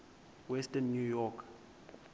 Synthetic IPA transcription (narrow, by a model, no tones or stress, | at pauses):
wɛstɛnːjujɔkʰ